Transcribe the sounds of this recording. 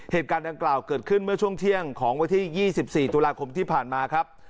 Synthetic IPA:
heː˨˩t̪̚kaː˧nda˧ŋklaː˨˩wkɤː˨˩t̪̚kʰɯ˥˩nmɯ˥˩ɐt͡ɕʰu˥˩əŋt̪ʰi˥˩əŋkʰɔː˩˦ŋwa˧nt̪ʰiː˥˩jiː˥˩si˨˩p̚siː˨˩t̪uː˧laː˧kʰo˧mt̪ʰiː˥˩pʰaː˨˩nmaː˧kʰɾa˦˥p̚

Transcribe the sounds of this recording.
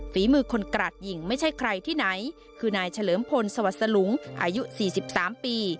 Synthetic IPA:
fiː˩˦mɯː˧kʰo˧nkɾaː˨˩t̪̚ji˨˩ŋma˥˩jt͡ɕʰa˥˩jkʰɾa˧jt̪ʰiː˥˩na˩˦j | kʰɯː˧naː˧jt͡ɕʰa˧lɤː˩˦mpʰo˧nsa˧wa˨˩t̪̚sa˧nu˩˦ŋʔa̰ː˧ju˦˥siː˨˩si˨˩p̚saː˩˦mpiː˧

